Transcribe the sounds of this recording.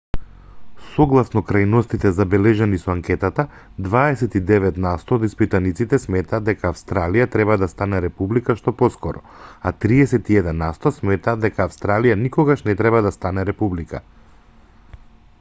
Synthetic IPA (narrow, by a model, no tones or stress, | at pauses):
sɔɡlˠasnɔkɾajnɔst̪it̪ɛzabɛlɛʒɛnisɔaŋkɛt̪at̪a | d̪vaɛsɛt̪id̪ɛvɛt̪nast̪ɔːd̪ispit̪anit̪sit̪ɛsmɛt̪aːd̪ɛkaːfst̪ɾalijat̪ɾɛβad̪ast̪anɛɾɛpublikaʃt̪ɔpɔskɔɾɔ | at̪ɾiɛsɛt̪iɛd̪ɛnːast̪ɔsmɛt̪aːd̪d̪ɛkaːfst̪ɾalijanikɔɡaʃnɛt̪ɾɛbad̪ast̪anɛɾɛpublika̰